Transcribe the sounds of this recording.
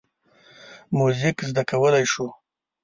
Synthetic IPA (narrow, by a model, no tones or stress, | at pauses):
muzɪkzd̪akawəlajʃu